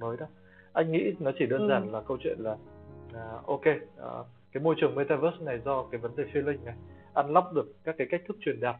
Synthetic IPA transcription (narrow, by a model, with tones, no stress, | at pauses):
məː˨˦jɗa˨˦ | ʔa˧jŋ̟ŋḭ˧˥nɔ˨˦t͡ɕi˧˩ɗəː˧nzaː˨˩nlaː˨˩kə˧wt͡ɕwḭ˧˨ənlaː˨˩˨ | ʔo˧kḛ˧˨ | kaː˨˦jmo˧jt͡ɕɨ˨˩əŋme˧t̪aː˧vəː˦˥sna˨˩jzɔ˧kaː˨˦jvə˨˦nɗe˨˩fi˧əlï˧ŋ̟na˨˩j | ʔa˧nla˦˥wk͡p̚ɗɨ˨˩ək̚ːaː˦˥kːaː˨˦ka˦˥k̚t̪ʰɨ˦˥k̚t͡ɕwi˨˩ənɗaː˨˩p̚